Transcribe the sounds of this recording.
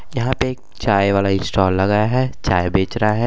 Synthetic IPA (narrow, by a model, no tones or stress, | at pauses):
jɐɦãpeeːk̚t͡ʃaːjʋaːlaɪ̃nsʈɔːlːɐɡaːjaɦɛt͡ʃaːjbeːt͡ʃɾɐɦaɦɛː